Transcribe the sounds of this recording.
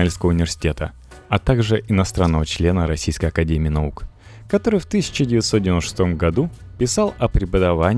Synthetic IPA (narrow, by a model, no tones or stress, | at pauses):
lʲskəvəʊnʲɪvʲɪrsʲɪ̥tʲe̞t̪ə | ɐt̪aɡʐɨʔɪnɐst̪ɾanːəvət͡ɕlʲe̞nəɾɐsʲijskəjɐkɐdʲemʲɪːnɐuk | kɐt̪o̞ɾɨjft̪ɨsʲɪ̥t͡ɕɪdʲɪvʲɪt̪sot̪dʲvʲɪnt̪ʂɨ̥st̪o̞mɡɐd̪u | pʲɪsalˠɐpɾʲɪpəd̪ɐvanʲ